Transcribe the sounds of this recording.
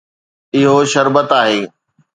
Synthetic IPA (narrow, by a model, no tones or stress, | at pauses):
ɪɦoʃɐɾbət̪aːɦeː